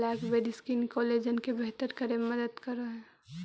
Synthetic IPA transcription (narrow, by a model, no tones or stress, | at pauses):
lakbed̪ɪskinkoleːd͡ʒənkebeɦt̪əɾkəɾẽməd̪əd̪kəɾəɦɛ